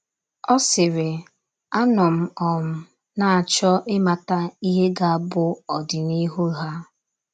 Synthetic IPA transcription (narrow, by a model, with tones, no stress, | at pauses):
ɔ˦sɪ˨ɾɪ˨ | a˦nɔ˨m̩˨ɔ˨m̩˨ | na˨a˨t͡ʃɔ˦ʔɪ˦ma˨ta˦i˦ɦe˦ɡa˦a˦bʊ˦ɔ˨dɪ˨ni˦ɦu˦ɦa˦